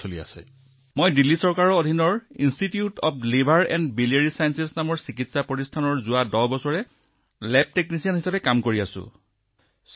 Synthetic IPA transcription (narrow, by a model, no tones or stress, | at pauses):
solia̰sɛ̰ | mojdilːisɔɹkaɹɔːdʱinɔɹinstitiutɔ̰p̚ʰlebʱaɹɛ̰ndbilieɹisajnsɛsnamɔɹsikitsapɹɔtistʰanɔɹzʊwadɔbɔsɔɹɛ | lɛp̚teknisianɦisapɛkamkoɹiasʊ̰̃